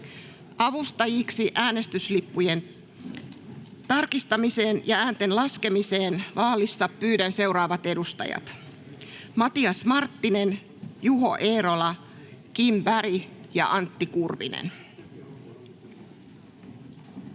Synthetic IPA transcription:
ɑʋust̪ɑjiksiʔæːne̞st̪yslipːujen | t̪ɑrkist̪ɑmise̞ːnjɑæːnt̪e̞nlɑske̞mise̞ːnʋɑːlisːɑpːyːdænse̞uɾɑːʋɑt̪e̞dust̪ɑ̰jɑ̰t̪ | mɑt̪iɑsmɑrt̪ːine̞n | juɦo̞̰ʔeːɾo̞lɑ | kimbæɾijɑ̰ʔɑnt̪ːikurʋḭnḛn

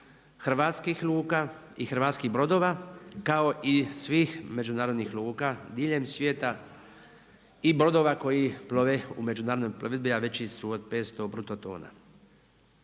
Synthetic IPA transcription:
xr̩ʋaːt̪skixlˠuːkaːixr̩ʋaːt̪skiɦbɾo̞d̪o̞ːʋakao̞ʔisʋiːxme̞d͡ʒunaːɾod̪nixlˠuːkad̪iːʎe̞msʋjeːt̪a | ibɾo̞d̪o̞ːʋako̞jiploʋeume̞d͡ʒunaːɾd̪nojploʋed̪biaʋe̞t͡ɕisuod̪̚peːt̪st̪o̞bɾut̪ot̪o̰ːna̰

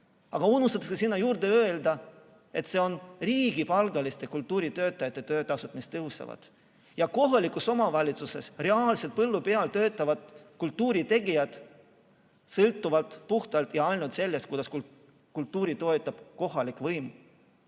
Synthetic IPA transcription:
ɑɡ̥ɑunːust̪ɑt̪ɑksesinːɑjuːɾrd̪e̞ø̞eld̪ɑ | e̞t̪se̞o̞nriːɡ̥ipɑlɡɑlist̪e̞kult̪ːˑuːɾit̪ø̞ːt̪ːˑɑjɑt̪ːˑe̞t̪øːt̪ɑsut̪ːɑmist̪ːɤɦusɑ̰vɑ̰d̪̥ | jɑko̞ɦɑlikːˑuso̞mɑvɑlʲit̪suse̞sre̞ɑːlse̞lt̪̚pɤlːupe̞ɑlt̪ø̞ːt̪ːˑɑvɑd̪̥kult̪ːuːɾit̪e̞ɡijɑd̪̥ | sɤlt̪ːˑuvɑlt̪puht̪ɑlt̪jɑɑjlnult̪se̞lːest̪kujd̪ɑsku | kult̪ːˑuːɾit̪o̞et̪ˑːɑb̥ko̞ɦɑlikˑvɤjm

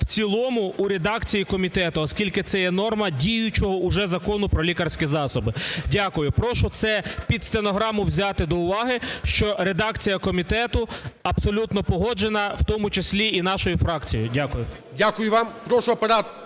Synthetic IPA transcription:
wt͡sʲilˠɔmʊːɾed̪ɑkt͡sʲijikɔmʲit̪ɛt̪ʊɔskʲilʲkɪt̪sɛjɛnɔrmɐdʲijʊt͡ʃɔɦɔʔʊʒɛzɐkɔnʊpɾɔlʲikɐrsʲkʲizɑsɔbɪdʲakʊjʊpɾɔʃʊt̪sɛpʲid̪st̪enɔɦɾɑmʊwzʲat̪ɪd̪ɔʊʋɑɦɪʃt͡ʃɔɾed̪ɑkt͡sʲijɐkɔmʲit̪ɛt̪ʊɐbsɔlʲut̪nɔpɔɦɔd͡ʒenɐwt̪ɔmʊt͡ʃesʲlʲiin̪ɑʃɔjʊfɾɑkt͡sʲijʊ̰dʲakʊjʊ | dʲakʊjʊʋɑmpɾɔʃʊɐpɐɾɑt̪

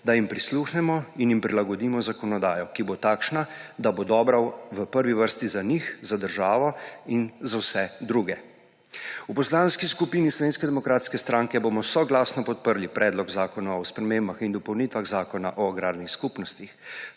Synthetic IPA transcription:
d̪ajimpɾisluːxnɛmɔinjimpɾilaɡɔd̪iːmɔzakɔnɔd̪aːjɔkibot̪aːkʃnad̪abod̪ɔːbɾawʋəpəɾʋiʋəɾst̪izanixzad̪əɾʒaːʋɔinzawsɛd̪ɾuɡɛ | upɔslanskiskupiːnislɔʋeːnskɛd̪ɛmɔkɾaːt̪skɛst̪ɾaːŋkɛboːmɔsɔɡlaːsnɔpɔt̪̚pəɾlipɾʔɛːd̪lɔɡzaːkɔnaɔspɾɛmeːmbaxind̪ɔpɔwnit̪ʋaɣzaːkɔnaʔɔɡɾaːɾnixskupnɔst̪ix

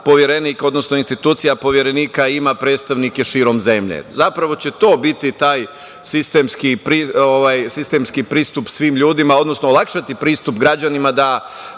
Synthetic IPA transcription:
po̞ʋjeɾeniːko̞d̪no̞snoinst̪it̪uːt̪sijapo̞ʋje̞ɾe̞niːkaimapɾe̞ːt̪st̪aʋnikeʃiːɾo̞mze̞mʎḛzapɾaʋo̞t͡ɕe̞t̪o̞ːbit̪it̪aːj | sist̪emskipɾioʋajsist̪emskipɾiːst̪upsʋiːmʎuːd̪imao̞d̪no̞snoolˠakʃat̪ipɾiːst̪upɡɾad͡ʑanimad̪a

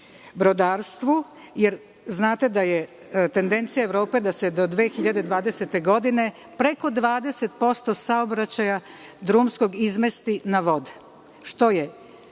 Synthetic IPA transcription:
bɾo̞d̪aːɾst̪ʋu | jeɾ | znaːt̪e̞d̪aje | t̪e̞nd̪e̞nt̪sijaeʋɾo̞ːpe̞d̪ase̞d̪o̞d̪ʋe̞ːxiʎad̪e̞d̪ʋaːd̪eset̪e̞ɡo̞d̪ine̞ | pɾe̞ko̞d̪ʋaːd̪e̞se̞t̪̚po̞st̪osaobɾat͡ɕajad̪ɾumsko̞ɡizmest̪inaʋo̞d̪e | ʃt̪o̞je

